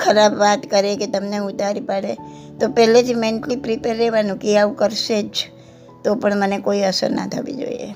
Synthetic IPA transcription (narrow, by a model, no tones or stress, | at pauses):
kʰəɾabːat̪kəɾeket̪əmneʊt̪aɾipəɽe | t̪opɛɦlet̪ʰimẽɳʈlipɾipeɾːeʋanũkiaukəɾset͡ʃʰ | t̪opəɳmənekoiəsə̰ɾna̰t̪ʰə̰ʋḭd͡ʒo̰ḭḛ